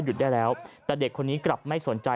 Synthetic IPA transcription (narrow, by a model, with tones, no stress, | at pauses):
ju˨˩daː˥˩jlɛː˦˥wt̪ɛː˨˩de˨˩kʰːo˧nːiː˦˥kla˨˩p̚ma˥˩jso˨˩˦nt͡ɕa˧